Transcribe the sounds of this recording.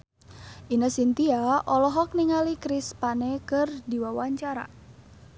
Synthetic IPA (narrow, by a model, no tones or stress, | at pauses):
ʔinəsint̪iaʔɔlɔɦɔk̚niŋalikɾispanɛkɨrdiwawaɲt͡ʃaɾa̰